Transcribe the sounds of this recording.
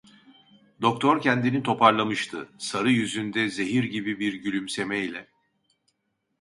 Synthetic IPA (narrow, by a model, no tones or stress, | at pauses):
d̪̥o̞k̚t̪ʰo̞ɾcʰɛnd̪init̪ʰo̞paɾlˠamɯʃt̪ʰɯsaɾɯjyzynd̪ɛze̞ɦiɾɟibibiɾɟylʲymse̞mɛilʲɛ